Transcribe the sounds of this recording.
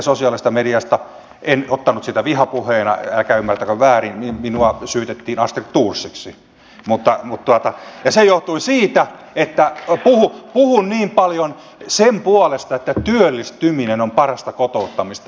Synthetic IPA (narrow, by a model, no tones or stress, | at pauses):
sosiɑlist̪ɑmediɑst̪ɑ | ʔenot̪ːɑnut̪sit̪æʋihɑpuheːnɑ̰ælkæymːært̪ækøʋʋæːriniminuɑsyːt̪et̪ːiːnɑst̪ikt̪uːrsːiksi | mut̪ːɑmut̪t̪uɑt̪ɑjɑsejoht̪uisiːt̪æ | et̪ːæpuhupuhunniːmpɑljon | sempuɑlest̪ɑet̪ːæt̪yølːist̪yminenompɑrɑst̪ɑkot̪out̪ːɑmist̪ɑ